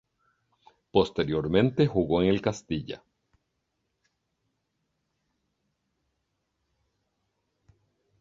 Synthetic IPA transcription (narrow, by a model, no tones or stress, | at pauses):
po̞st̪e̞ɾjoɾmẽ̞nt̪e̞xuɣoeŋe̞lkast̪iʝa̰